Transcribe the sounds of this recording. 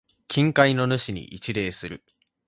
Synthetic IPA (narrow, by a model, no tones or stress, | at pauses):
kʲĩŋkaino̞nɯ̟ɕiɲ̟ḭʔit͡ɕiɾe̞ːsɨɾɯ̟